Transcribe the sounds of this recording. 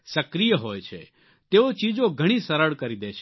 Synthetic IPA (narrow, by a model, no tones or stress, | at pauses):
səkɾijəɦoːjt͡ʃʰḛː | t̪eːot͡ʃiːd͡ʒõɡʱəɽ̃ĩsəɾəɽkəɾid̪eːt͡ʃʰ